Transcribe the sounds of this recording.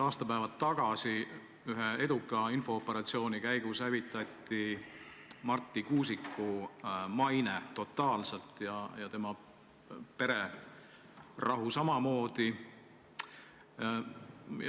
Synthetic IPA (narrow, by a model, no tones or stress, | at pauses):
ɑːst̪ɑpæevɑt̪ːɑɡ̥ɑsi | yɦee̞d̪ukːˑɑinfo̞ːpːˑe̞ɾɑt̪sio̞ːnikæjɡ̥ushævit̪ːˑɑt̪ˑːi | mɑrt̪ˑːikuːsikːumɑjnet̪o̞t̪ːˑɑːlselt̪ːˑjɑjɑt̪e̞mɑ | pe̞ɾe̞ | rɑɦusɑmɑmo̞ːd̪̥i